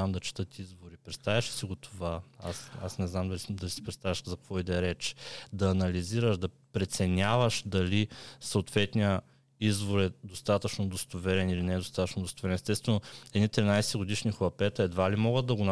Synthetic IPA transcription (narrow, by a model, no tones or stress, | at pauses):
amd̪ɐt͡ʃɛ̥t̪ɤt̪izvoɾipɾɛt̪st̪avʲəʃɛ̥siɡot̪ʰovaasa̰snɛznamd̪ɐlid̪ɐlisi̥pɾɛt̪st̪avʲəʃzɐkkvɔid̪ɛɾɛt͡ʃd̪ɐːnɐliziɾəʃd̪ɐ | pɾɛt̪sɛnʲavɐʃd̪ɐlisɐːt̪vɛt̪nʲijə | izvoɾɛd̪ost̪at̪ət͡ʃnod̪ost̪ovɛɾɛnilinɛd̪ost̪at̪ət͡ʃnod̪ost̪ovɛɾɛnɛst̪ɛst̪vɛnoɛd̪nit̪ɾinajsɛɡod̪iʃnʲixoɐpɛt̪ɐɛd̪valimɔɡət̪ːɐɡon